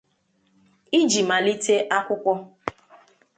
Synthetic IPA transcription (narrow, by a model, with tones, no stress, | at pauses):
i˦d͡ʒi˨ma˨li˦tʰe˦ʔa˦kʷʊ˦kʷɔ˦